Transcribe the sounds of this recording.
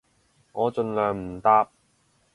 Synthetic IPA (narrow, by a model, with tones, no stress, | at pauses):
ŋɔː˨˧t͡ʃɵ˧nlœː˨˩ŋm̩˨˩t̪aː˧p̚